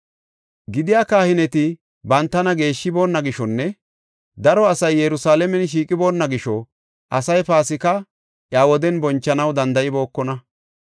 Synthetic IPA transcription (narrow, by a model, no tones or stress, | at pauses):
ɡɪd̪ɪjaːkaːhɪnɛt̪ɪ | bɐnt̪ːɐnɐɡe̞ːʃːɪbo̞ːnːɐɡɪʃɔnːɛ | d̪ɐɾɔɐsɐjːɛɾʊsaːlɛmɛnʃ̬iːkʼɪbo̞ːnːɐɡɪʃɔ | ʔɐsɐjpaːsɪkɐ | ʔjaːwɔd̪ɛnbɔnt͡ʃːɐnɐwd̪ɐnd̪ɐʔɪbo̞ːkːɔnɐ